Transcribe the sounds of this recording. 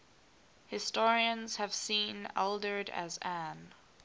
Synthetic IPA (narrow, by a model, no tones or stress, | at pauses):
hɨstɔɹiə̃nz̥hɨv̥sĩnɛ̰lˠdə˞ɾɨ̰zæ̃n